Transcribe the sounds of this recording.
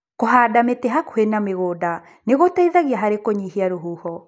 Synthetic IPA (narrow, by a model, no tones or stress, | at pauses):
koɦaːdametɛɦakoenameɣoːda | neɣotaiðaɣiaɦaɾekoɲihiaɾoɦuːhɔ